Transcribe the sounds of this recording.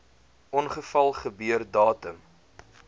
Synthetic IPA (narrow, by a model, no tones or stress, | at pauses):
ʔɔnχəfɐlˠχəbyərdɑːtəm